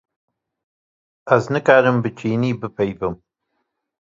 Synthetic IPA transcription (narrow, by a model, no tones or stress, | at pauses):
ɐznɨkaːɾɨmbɨt͡ʃʰiːniːbɨpʰɐjvɨm